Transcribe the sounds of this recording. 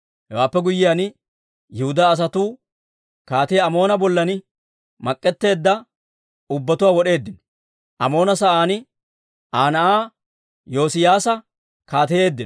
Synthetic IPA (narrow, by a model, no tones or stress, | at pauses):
hɛwaːpːɛɡʊjːɪjan | jɛhʊd̪aːs̬ɐt̪uː | kaːt̪ɪjɐmo̞ːnɐbɔlːɐnɪ | mɐkʼːɛt̪ːe̞ːd̪ːɐ | ʊbːɐt̪ʊwaːwɔɗe̞ːd̪ːɪnɔ̥ | ʔɐmo̞ːnɐsɐʔaːnɪ | ʔaːnɐʔaː | jo̞ːsɪjaːsɐ | kaːt̪ɛje̞ːd̪ːɪn